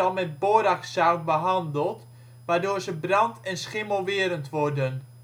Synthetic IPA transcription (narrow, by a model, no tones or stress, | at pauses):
ɑlˠmɛt̚boɾaksawt̚bəɦɑndəlˠt | ʋaːrdoːrzəbrɑntʰɛnsχɪməlˠʋɪəɾəntʋɔrdən